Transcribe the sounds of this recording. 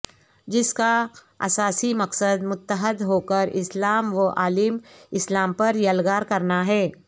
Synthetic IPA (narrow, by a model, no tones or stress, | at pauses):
d͡ʒɪska | ɐ̰saːsimɐqsəd̪mʊt̪ːəɦəd̪ɦoːkəɾɪslaːmʋoʔaːlɪmɪslaːmpɐɾjɐlɡaːɾkɐɾnaɦɛː